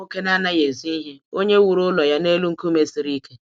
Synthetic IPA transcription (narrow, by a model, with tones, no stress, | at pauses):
o˦ke˦na˦na˦je˨zi˦i˦ɦe˦o˦ɲe˦wu˨ɾʊ˦lɔ˨ja˦ne˦lu˦ŋ̩˦ku˦me˦si˨ɾi˦ke˦